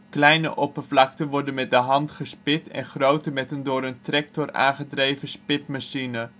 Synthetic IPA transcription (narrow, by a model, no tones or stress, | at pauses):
klɛjnə̰ʔɔpəɹvlɑktənʋɔɹdənmɛt̚dəɦɑntχəspɪtɛ̰nχrowtəmɛtəndʊːɾəntrɛk̚tɔra̰ːnχədrejvəspɪpmaʃinə